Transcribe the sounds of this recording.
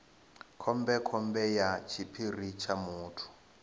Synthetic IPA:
kʰɔmbɛkʰɔmbɛjat͡ʃʰipʰirit͡ʃʰamuːtʰu̥

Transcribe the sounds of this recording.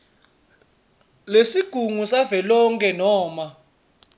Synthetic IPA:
lesiɡ̥ʱuŋusavɛlɔŋkʼɛnɔːma

